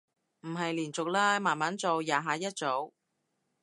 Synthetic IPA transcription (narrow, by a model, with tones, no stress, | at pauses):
m̩˨˩ɦɐ˨jliː˨˩nt͡sʊ˨k̚laː˧maː˨˩nmaː˨˥nt͡so˨wjaː˨ɦaː˨˧˥jɐ˥t̚t͡so˨˥w